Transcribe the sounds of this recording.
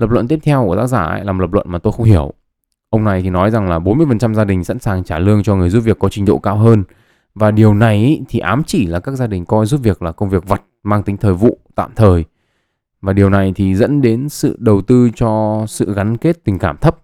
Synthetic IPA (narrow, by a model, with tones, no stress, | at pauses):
lə˨˩p̚lwə̰˧˨nt̪i˦˥ət̪ʰɛ˧wku˧˩ət̪aː˦˥zaː˧˩ʔlaː˨˩m˨˩lə˨˩p̚lwə̰˧˨nmaː˨˩t̪o˧jxə˧wŋ͡mhi˧˩əw | ʔə˧wŋ͡mna˨˩jt̪ʰi˨˩nɔ˨˦jza˨˩ŋlaː˨˩ɓo˨˦nmɨ˧əjfə˨˩nt͡ɕa˧mzaː˧ɗï˨˩ŋ̟sa̰˧˥nsaː˨˩ŋt͡ɕaː˧˩lɨ˧əŋt͡ɕɔ˧ŋɨ˨˩əzu˦˥p̚vəkːɔ˨˦t͡ɕï˧ŋ̟ɗo̰˧˨kaː˧wɦəː˧n | vaː˨˩ɗi˨˩əwna˨˩jʔt̪ʰi˨˩ʔaː˨˦mt͡ɕi˧˩laː˨˩kaː˦˥k̚zaː˧ɗï˨˩ŋ̟kɔ˧jzu˦˥p̚vi˨˩ək̚laː˨˩kə˧wŋ͡mvi˨˩ək̚və˨˩t̚maː˧ŋt̪ï˨˦ŋ̟t̪ʰəː˨˩jvṵ˧˨t̪a̰ː˧˨mt̪ʰəː˨˩j | vaː˨˩ɗi˨˩əwna˨˩jt̪ʰi˨˩zə̰˧˥nɗe˨˦nsɨ̰˧˨ɗə˨˩wt̪ɨ˧t͡ɕɔ˧sɨ̰˧˨ɣa˨˦nke˦˥t̚t̪ï˨˩ŋ̟kaː˧˩mt̪ʰə˦˥p̚